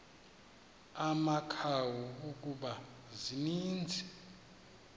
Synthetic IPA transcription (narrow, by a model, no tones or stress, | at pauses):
amakʰawuukʼuɓa | ziniːnd͡zʱɛ